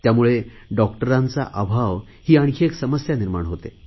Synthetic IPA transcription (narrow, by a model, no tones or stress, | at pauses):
t̪jamuɭeɖɔkʈəɾãnt͡sa̰ʔabʱaʋ | hiːaɽ̃kʰeksəməsjaniɾmaɳɦot̪e